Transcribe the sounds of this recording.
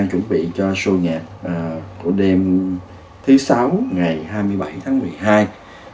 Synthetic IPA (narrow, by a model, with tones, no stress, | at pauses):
ŋt͡ɕwə̰˧˥nɓḭ˧˨t͡ɕɔ˧su˧ŋaː˨˩p̚ʔəː˨˩kṵ˧˩əɗe˧m | t̪ʰɨ˨˦sa˨˦wŋa˨˩jhaː˧jmɨ˧əjɓa˧˩jt̪ʰaː˨˦ŋmɨ˨˩əjɦaː˧j